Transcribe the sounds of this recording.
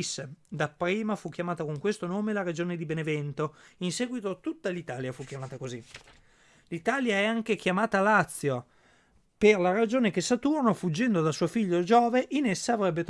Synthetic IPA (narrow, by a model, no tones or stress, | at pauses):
sd̪apːɾiːmafuk̟jamaːt̪akoŋkwest̪onoːmelaɾed͡ʒoːned̪ibenevɛnt̪oinsɛːɡwit̪ot̪ut̪ːalit̪aːljafuk̟jamaːt̪akozi | lit̪aːljaɛaŋk̟ekjamaːt̪alat̪sːjo | perlaɾad͡ʒoːnekesːat̪uɾnofud͡ʒːɛnd̪od̪asuːofiʎːod͡ʒɔːveʔinesːaːvɾɛbːet̪